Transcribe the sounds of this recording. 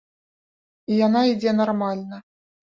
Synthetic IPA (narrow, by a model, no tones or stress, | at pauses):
ijanaid͡zʲɛnarmalʲnɐ